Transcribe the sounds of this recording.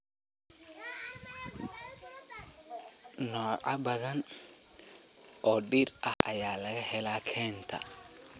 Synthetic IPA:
nɔːʕɑbɐðɐn | ʔɔːɗirʔɐhʔɐjaːlɐɣɐhɛlaːkʰɛːnt̪ʰɐ̰

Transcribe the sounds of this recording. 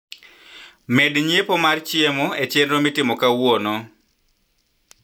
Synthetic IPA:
medɲepomart͡ʃɪemoet͡ʃjendɾomitɪmɔkawɔnɔ

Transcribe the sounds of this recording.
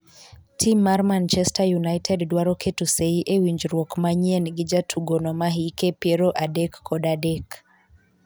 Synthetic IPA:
tʰimːaɾmant͡ʃɛstʰajunajtʰɛddwaɾɔkʰetuseiʔewiɲd͡ʒɾwɔkmaɲienɡid͡ʒatʰuɡɔnɔmaɦikepiɛɾɔʔadɛkːɔdadɛk

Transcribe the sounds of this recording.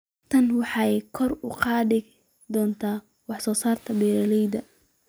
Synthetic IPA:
t̪ʰɐnwɑħɑkʰɔrʊ̰qɑːðɪ | d̪ɔːnt̪ʰaː | wɑħsɔːsaːrt̪ʰɐbɛːɾɐlɛjd̪ɐ

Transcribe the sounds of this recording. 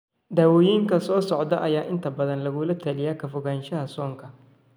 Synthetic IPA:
d̪aːwɔːjiːŋkʰɐsɔːsɔʕd̪ɐʔɐjaːʔɪnt̪ʰɐbɐðɐnlɐɣʊlɐt̪ʰɐlɪjakʰɐfʊɣaːnʃɐɦɐsɔːŋkʰɐ

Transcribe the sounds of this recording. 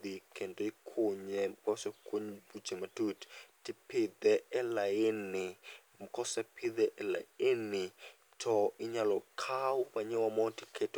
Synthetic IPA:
d̪ikʰɛntʼɔikʰuɲɛmkʰʼɔsɛkʰuɲbu̥d͡ʒ̥ʱɛmatʰutʰtʰʼipʰid̪ɛɛlajeni | m̩kʰɔsɛpʰid̪ɛʔɛla̰eni | tʰɔʔiɲalɔkʰaupaɲɛwamɔtʰikʰɛtʰ

